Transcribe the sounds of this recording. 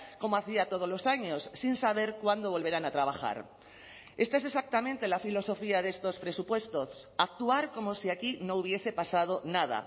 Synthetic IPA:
ko̞moaθiat̪oð̞olo̞saɲosːinsaβ̞e̞ɾkwand̪oβ̞o̞lβe̞ɾanat̪ɾaβ̞axa̰ɾ | e̞st̪aese̞sak̚t̪amẽnt̪e̞lafilo̞so̞fiaðe̞st̪o̞spɾe̞supwe̞st̪o̞sak̚t̪uaɾko̞mosiakinouβ̞je̞se̞pasað̞onað̞a̰

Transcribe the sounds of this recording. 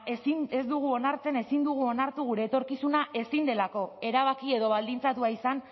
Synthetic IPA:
esine̞zd̪uɣ̞uo̞naɾt͡se̞ne̞sind̪uɣ̞uo̞naɾt̪uɣ̞uɾe̞ːt̪o̞ɾkisunaʔe̞sind̪e̞lako̞e̞ɾaβ̞akie̞ðo̞β̞ald̪int͡sat̪uaisan

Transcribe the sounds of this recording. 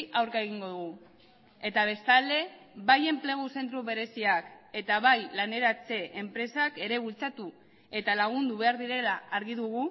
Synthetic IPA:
awɾkaeɣiŋɡo̞ðuɣu | e̞t̪aβ̞e̞st̪ald̪e̞βaje̞mple̞ɣ̞use̞nt̪ɾuβe̞ɾe̞siake̞t̪aβajlane̞ɾat͡se̞ʔempɾe̞sake̞ɾe̞β̞ult͡sat̪u | e̞t̪alaɣ̞und̪uβ̞e̞aɾðiɾe̞laːɾɣiðuɣ̞u

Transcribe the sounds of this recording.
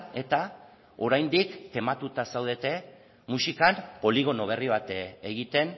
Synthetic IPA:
e̞t̪a | o̞ɾajnd̪ikt̪e̞mat̪ut̪asawð̞e̞t̪e̞ | musikanpo̞liɣ̞o̞no̞β̞e̞riβ̞at̪eeɣit̪e̞n

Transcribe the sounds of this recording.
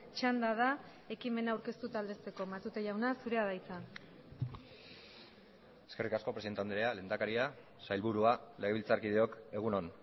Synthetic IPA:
t͡ʃand̪aða | e̞kime̞naːwɾke̞st̪ut̪ald̪e̞st̪e̞ko̞mat̪ut̪eʝawnasuɾe̞aðajt͡sa | eske̞rikasko̞pɾsie̞nt̪eand̪ɾe̞ale̞nd̪akaɾia | sajlβuɾuale̞ɣe̞βilt͡saɾkið̞e̞o̞ke̞ɣ̞unon

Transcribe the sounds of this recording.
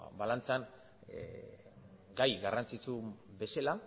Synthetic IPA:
balant͡sean | ɡajɣarant͡sit͡sube̞sela

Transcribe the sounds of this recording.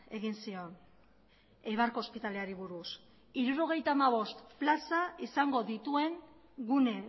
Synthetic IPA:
e̞ɣinsio̞n | ejβ̞aɾko̞ːspit̪ale̞aɾiβ̞uɾus | iɾuɾo̞ɣ̞e̞jt̪aːmaβ̞o̞st̪plasaisaŋɡo̞ðit̪ue̞ŋ | ɡune̞

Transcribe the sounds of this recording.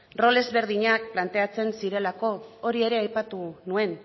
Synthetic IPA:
ro̞le̞zβe̞ɾð̞iɲak̚plant̪e̞at͡se̞nsiɾe̞lako̞ːɾie̞ɾe̞ajpat̪unue̞n

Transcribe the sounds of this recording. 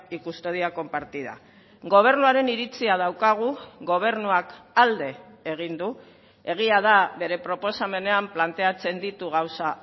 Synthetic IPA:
ikust̪oð̞iako̞mpaɾt̪iða̰ | ɡo̞β̞e̞ɾnuaɾe̞niɾit͡siað̞awkaɣ̞uɣo̞β̞e̞ɾnuakald̪e̞ː | ɣ̞ind̪u | e̞ɣ̞iað̞aβe̞ɾe̞pɾo̞po̞same̞ne̞amplant̪e̞at͡se̞nd̪it̪uɣawsa

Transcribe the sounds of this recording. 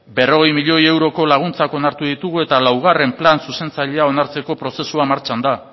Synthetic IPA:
be̞ro̞ɣe̞jmiʎo̞je̞wɾo̞ko̞laɣ̞unt͡sako̞naɾt̪uðit̪uɣ̞ue̞t̪alawɣ̞are̞mplansuse̞nt͡saʎe̞ao̞naɾt͡se̞ko̞pɾo̞se̞suamaɾt͡ʃand̪a

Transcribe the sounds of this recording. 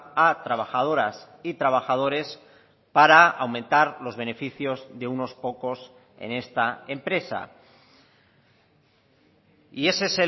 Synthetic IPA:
at̪ɾaβaxað̞o̞ɾas | it̪ɾaβ̞axað̞o̞ɾe̞s | paɾaawmẽnt̪aɾlo̞zβ̞e̞ne̞fiθjo̞zðe̞uno̞spo̞ko̞s | ḛne̞st̪ae̞mpɾe̞sa̰ | ie̞sese

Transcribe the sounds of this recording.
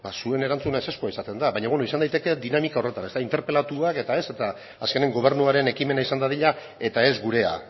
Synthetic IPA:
basue̞ne̞ɾant͡sunaese̞skuaisat̪e̞nd̪aβajɲaβwenoisand̪ajt̪e̞ke̞d̪inamikao̞re̞t̪anet̪aint̪e̞ɾpe̞lat̪uake̞t̪ae̞se̞t̪aː | ske̞ne̞ŋɡo̞β̞e̞ɾnuaɾe̞ne̞kime̞naisand̪aðiʎa | e̞t̪ae̞zɡuɾe̞a̰

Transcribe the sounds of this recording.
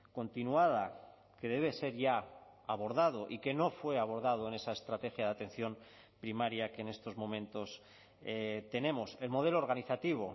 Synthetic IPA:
ko̞nt̪inuað̞a | ke̞ðe̞β̞e̞se̞ɾʝaaβo̞ɾðað̞o̞ʔike̞no̞fwe̞aβ̞o̞ɾðað̞oe̞ne̞sae̞st̪ɾat̪e̞xjaðat̪e̞n̟θjo̞m | pɾimaɾjakeːne̞st̪o̞zmõ̞mẽnt̪o̞s | et̪e̞ne̞mo̞se̞lmo̞ð̞e̞loɾɣ̞aniθat̪iβ̞o̞

